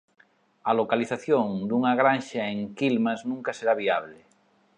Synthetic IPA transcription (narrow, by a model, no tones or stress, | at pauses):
alokaliθaθjoŋd̪uŋaɣ̞ɾanʃaeŋkilmaznũŋkaseɾaβiaβ̞le